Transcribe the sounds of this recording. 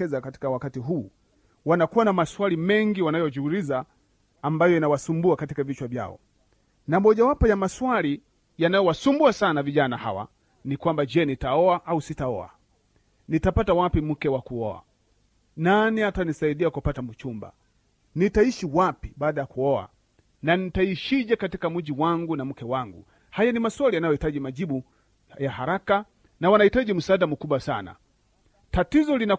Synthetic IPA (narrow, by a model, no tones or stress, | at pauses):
ɛzakati̥kawakatiɦuː | wanakuwanamaswalimɛŋɡiwanajɔd͡ʒuulizaː | mbajɔinawasumbuakatikavit͡ʃwavja̰ɔ̰ | namɔʄawapɔjamaswali | janajɔwasumbuasanaviʄanaha̰wa̰ | nikwambad͡ʒɛnitaɔaʔausitaɔ̰a̰ | nitapatawapim̩kɛwakuɔa̰ | naniatanisaiɗiakupatamut͡ʃumba̰ | nitaiʃiwapiɓaːɗajakuɔa̰ | nanitaiʃiʄakatikam̩ʄiwaŋɡunam̩kɛwaŋɡṵ | hajanimaswalijanajɔhitaʄimaʄiɓu | jahaɾaka | nawanahitaʄim̩saːɗamukuɓwasana̰ | tatizɔlina